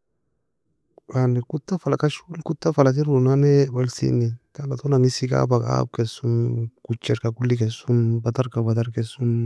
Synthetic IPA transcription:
wanekut̪ːafalakaʃulkut̪ːafalat̪̬iɾunanewalsḭnit̪alat̪onaŋisika̰baka̰b̚kesunkut͡ʃːeɾkakulːikesunbat̪aɾkabat̪aɾkesun

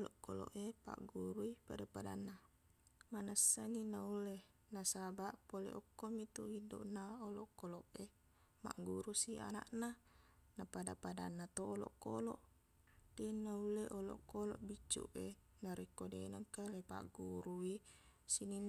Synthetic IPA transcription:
olɔʔko̰lo̰ʔepa̰ʔɡuɾuipadapada̰nːa | manasːaninaulːe | nasabaʔpolḛʔɔkːomit̪uhiddo̰ʔnaolɔʔkoloʔe | ma̰ʔɡuɾusia̰na̰ʔnanapadapada̰nːat̪oːlɔ̰ʔko̰loʔ | t̪enːaulːeʔolɔ̰ʔkolɔ̰ʔbit͡ʃːṵʔe | naɾikːodḛnaŋkalepa̰ʔɡuɾuisininːa

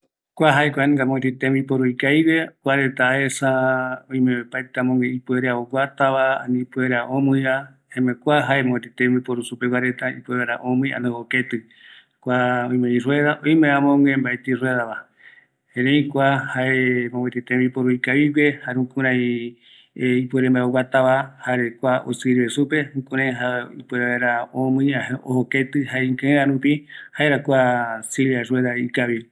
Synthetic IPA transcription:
kʷaɦaekʷanŋɡamõwet̪it̪emipoɾuikaiβewʷaɾet̪aesaõj̃mẽepat̪amõŋẽipueɾeaoɡʷat̪aβaa̰nĩpueɾeaʔõmɨja | hemekʷaɦaemõwet̪et̪ẽmbipoɾusupewaɾet̪aḭpueɾeɾa̰ʔõmɨ̃jʔa̰nd̪ooket̪ɨ | kʷaõj̃mẽirweðaʔõjmẽãmõŋɡẽmbaet̪irweðaβa | hẽɾejkʷahaemõŋwet̪it̪ẽmipoɾoikaβiβehaɾũkũɾãj | ipueɾembaeowat̪aβahaɾekʷao̰siɾβesupe̞hũkũɾãjɦaipueɾeβeɾaõmɨ̃jaohoket̪ɨhaeiŋkɨ̃ẽɾãɾũpihaeɾakʷasiljareðaikaβi

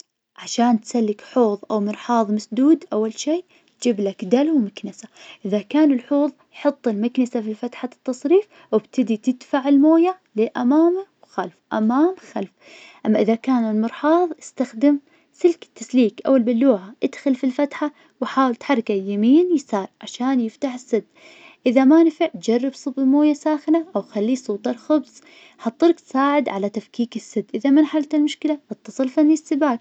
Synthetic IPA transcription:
ʕaʃaːnt̪salːɪkħoːðˤʔawmɨɾħɑːðˤmasd̪uːd̪ʔawːalʃiː | d͡ʒɪblakd̪alwmaknɪsaʔɪðakaːnɪlħuːðˤjħɑt̪ˤːɪlmaknɪsafifat̪ħat̪ːɑsˤɾiːf | wɪbt̪ʰɪd̪it̪ɪd̪faʕɪlmoːjaʕlɪʔamaːmawxalfʔa̰maːmxalf | ʔamːaʔɪðakaːnɪlmɨɾħɑːðˤʔɪst̪axd̪ɪm | sɪlkɪ̥t̪ːasliːkʔa̰wːalbɪlːuːʕaʔɪd̪xɪlfilfat̪ħa | wħaːwɪlt̪ħɑrˤːkajamiːnjɪsaːɾˤʕaʃaːnjɪft̪aħɪsːɪd̪ː | ʔɪðamanfɪʕt̪̚d͡ʒarːɪbsˤɨbɪlmoːjasaːxɪlaʔawxalːisˤuːt̪ˤɑlxʊbsˤ | ħɑt̪ˤːɨɾˤkt̪saːʕɪd̪ʕalat̪afkiːkɪsːɪd̪ːʔɪðamɪnħalt̪ɪlmʊʃkɪlaʔɑt̪ːɑsˤɨlfanːisːɪbaːk̚

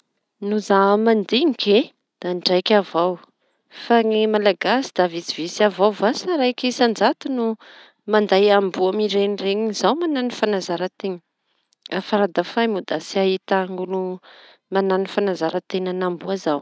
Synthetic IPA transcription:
nuzamand̪iŋike | d̪̥aɳɖ͡ʐajkʲavaw | faŋimalaɡasid̪̥avit͡sivisiavawvasaɾajkʲisand͡zat̪unu | mand̪ajambuamiɾeɲireɲiizawmananifanazaɾət̪eɲə̥ | afaɾad̪afajmud̪asiaɦit̪aŋɡunu | mananifanazaɾət̪enənambuazaw

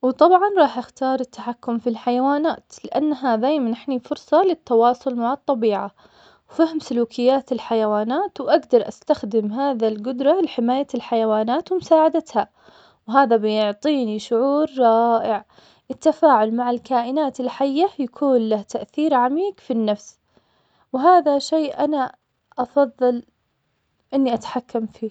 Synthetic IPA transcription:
wt̪ˤɑbʕɑnɾˤɑːħʔɪxt̪ɑːɾˤɪt̪ːaħakːʊmfilħajawaːnaːt̪lɪʔanːɦad̪aːjmanʔɪħnifʊɾsˤɑlɪt̪ːɑwɑːsˤʊlmaʕɑt̪ˤːɑbiːʕa | wfahmsʊluːkʰɪjːaːt̪ɪlħajawaːnaːt̪wʔaɡd̪ɑɾˤʔast̪axd̪ɪmɦaːðalɡʊd̪ɾˤɑlɪħɪmaːjalħajawaːnaːt̪wɪmʊsaːʕad̪at̪ha | wɦaːðabɪjʊʕt̪ˤiːniʃʊʕuːɾːˤɑːʔɪʕ | ʔɪt̪ːafaːʕʊlmaʕɪlkaːʔɪnaːt̪ɪlħajːajakʰuːnlaht̪aʔθiːɾʕamiːɡfinːafs | wɦaːðaʃeːʔana | ʔɑfɑðˤːɑl | ʔɪnːiʔat̪ḁħakːamfiː

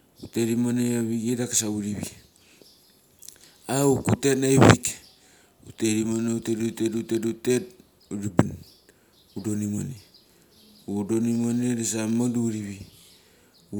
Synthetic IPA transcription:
uteɾimoneaβiɡedakasauɾiβḭ | aukutetnaiβik | uteɾimoneutetutetutetutet̚ | uɾibin | udonimo̰ne | udonimoneɾesamaduɾiβi | u

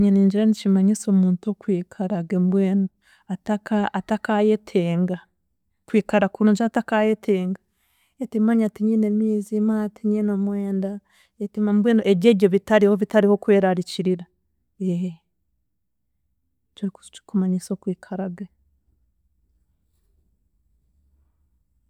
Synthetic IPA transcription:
ɲiniːɲd͡ʒiɾanicimaɲisomuːntuokwiːkʰaɾaɡembweːno | atakaatakajetʰeːŋɡa | kwiːkaɾakunoɲd͡ʒatakajetʰeːŋɡa | etimaːɲatiɲiːnemiːzimatiɲinomweːnda | etimambweːnoʔeβjeːjoβitaɾihoβitaɾiho̞kwe̞ːɾaɾiciɾiɾa | eh | t͡ʃoku̥kumaɲisokwiːkʰaɾaɡe

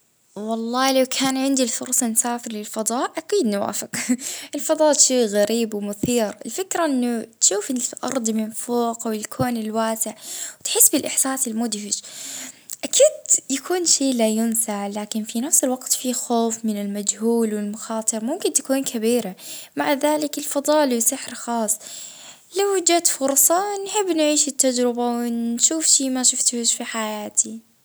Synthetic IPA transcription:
wɑlˤːɑːlawkʰaːnʕɪnd̪ilfʊɾˤsˤɑnsaːfɪɾlɪlfɑd̪ˤɑːʔʔakiːd̪nwa̰ːfɪqʔɪlfɑd̪ˤɑːʔʃiːɣaɾiːbwɪmʊθiːɾɪlfɪkɾaʔɪnːʊt̪ʃuːfʔɪnʔɑ̰ɾˤd̪ˤmɪnfoːqʔawɪlkʰuːnɪlwaːsɪʕwt̪ħɪsːbɪlʔɪħsaːsɪlmʊd̪hɪd͡ʒ | ʔakʰiːd̪jakʰuːnʃeːlajʊnsaʕlaːkɪnfinafsɪlwaɡt̪fixoːfmɪnɪlmad͡ʒhuːlwɪlmʊxɑːt̪ˤɨɾˤmʊmkɪnt̪ḁkuːnkʰabiːɾamaʕðaːlɪkɪlfɑd̪ˤɑːlwsɪħɾxɑːsˤ | lawd͡ʒat̪fʊɾˤsˤɑnħɪbːnʕiːʃɪt̪ːad͡ʒɾɪbawɪnʃuːfʃiːmaʃʊft̪hʊʃfiħajaːt̪ʰi

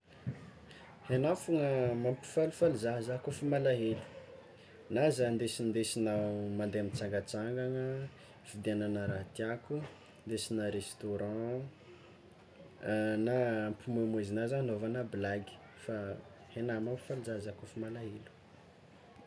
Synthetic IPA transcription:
henafuŋəmampi̥falufaluzaɦzakofimalaɦelu̥ | nazand̪esind̪esinamand̪eamit͡saŋɡat͡saŋɡaŋə | fid̪eananəɾat̪iaku | nd̪esinaɾest̪oɾɑ̃ | naːmpimemezinazanovanəblaɡi̥ | fa | henamampi̥faluzaɦzakofimalaɦelu̥

